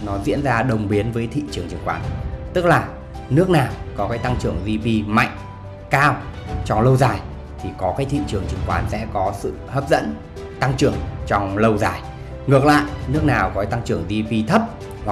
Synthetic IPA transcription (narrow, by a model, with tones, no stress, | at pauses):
nɔ˨˦zḭ˧˥ənzaː˧ɗə˨˩wŋ͡mɓi˨˦ənvəː˨˦jt̪ʰḭ˧˨t͡ɕɨ˨˩əŋt͡ɕi˨˩ŋkwaː˨˦nt̪ɨ˦˥k̚laː˨˩ | nɨ˦˥ək̚naː˨˩wkɔ˨˦kaː˨˦jt̪a˧ŋt͡ɕɨ˧˩əŋzi˧ɓi˧ma̰˧˨jŋ̟ | kaː˧wt͡ɕɔ˧ŋ͡mlə˧wzaː˨˩j | t̪ʰi˨˩kɔ˨˦kaː˨˦jt̪ʰḭ˧˨t͡ɕɨ˨˩əŋt͡ɕɨ˨˧˩ŋkwaː˨˦nsɛ̰˧˥kɔ˨˦sɨ̰˧˨həː˦˥p̚zə̰˧˥n | t̪a˧ŋt͡ɕɨ˨˧˩əŋt͡ɕɔ˧wŋ͡mlə˧wzaː˨˩j | ŋɨ˨˩ək̚la̰ː˧˨jʔnɨ˦˥ək̚naː˨˩wkɔ˨˦t̪a˧ŋt͡ɕɨ˧˩əŋzi˧ɓi˧t̪ʰə˦˥p̚ | ha˨˩